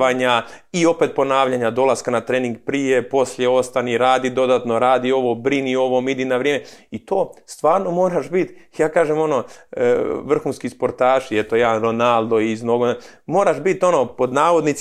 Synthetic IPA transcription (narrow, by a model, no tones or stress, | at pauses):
aɲa | io̞pet̪̚po̞naːʋʎaɲad̪o̞lˠaskanat̪ɾeːniŋɡpɾije̞po̞slʎjeo̞st̪aniɾaːd̪id̪o̞d̪aːt̪no̞ɾaːd̪io̞ʋo̞bɾinio̞ʋomid̪inaʋɾjeːmeit̪oːst̪ʋaːɾno̞mo̞ːɾaʃbit̪jaːkaːʒemo̞no̞ | ʋr̩xunskispo̞ɾt̪aːʃiet̪ojaːɾonald̪oiznoɡone | mo̞ːɾaʃbit̪o̞no̞po̞d̪naːʋo̞d̪nit̪s